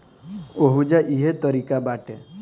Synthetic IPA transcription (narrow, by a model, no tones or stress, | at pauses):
oɦud͡ʒaʔiɦet̪ɔɾikabaʈe